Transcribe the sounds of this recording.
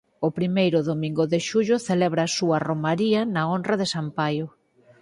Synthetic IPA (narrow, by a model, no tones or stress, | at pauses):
ʊpɾimejɾʊðomĩŋɡʊðɪʃuʎʊθelɛβɾɐːsuɐromaɾiɐnɐonrɐðesampajʊ